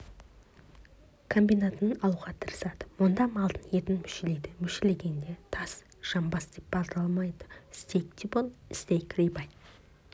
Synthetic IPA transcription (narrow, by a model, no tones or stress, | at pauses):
kʰo̞mbijnat̪ənənɑlˠuʁɑt̪ʰəɾəsɑd̪əmond̪ɑmɑlˠd̪ənjet̪ɪnmʏʃele̞jd̪ɪmʏʃele̞ɡʲe̞nd̪e̞t̪ʰɑs | ʒ̥ɑmbɑsd̪e̞p̚bɑlˠd̪əɾɑlˠmɑjd̪ə̥ɪst̪ejk̚t̪ʰʲibolˠɪst̪ejkʰɾijbɑjt̪